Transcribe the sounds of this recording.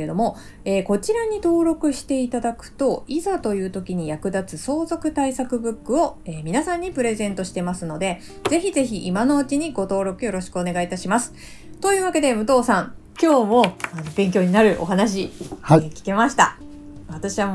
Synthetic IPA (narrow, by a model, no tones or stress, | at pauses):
ɾed̪o̞mo̞ | e̞ːko̞t͡ɕiɾaɲ̟it̪o̞ːɾo̞kɯ̟ɕi̥t̪e̞it̪ad̪akɯ̟̥t̪o̞izat̪o̞jɯ̟ːt̪o̞kʲiɲ̟ijakɯ̟d̪at͡sɨso̞ːzo̞kɯ̟t̪aisakɯ̟bɯ̟kːɯ̟o̞e̞ːmʲinasãɲ̟ːipɯ̟ɾe̞zẽ̞nt̪o̞ɕi̥t̪e̞masɨno̞d̪e̞ | ze̞çize̞çiʔːmano̞ɯ̟t͡ɕiɲ̟iɡo̞t̪o̞ːɾo̞kɯ̟jo̞ɾo̞ɕi̥kɯ̟one̞ɡait̪aɕimasɨ̥ | t̪o̞jɯ̟ːβake̞d̪e̞mɯ̟t̪o̞ːsãŋ | kʲo̞ːmo̞ano̞bẽ̞ŋk̬ʲo̞ːɲ̟inaɾɯ̟ʔo̞ɦanaɕ̬ikʲi̥ke̞maɕi̥t̪a̰ | βat̪aɕiβa